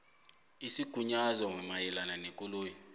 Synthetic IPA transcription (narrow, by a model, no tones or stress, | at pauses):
isiɡ̥ʱuɲazɔŋɛmajɛlananekʼuloːjɔ